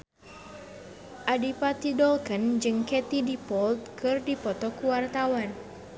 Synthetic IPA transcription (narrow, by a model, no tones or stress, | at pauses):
ʔadipat̪idɔlkənd͡ʒɨŋkɛt̪idipɔlt̪̚kɨrdipɔt̪ɔkuwart̪awan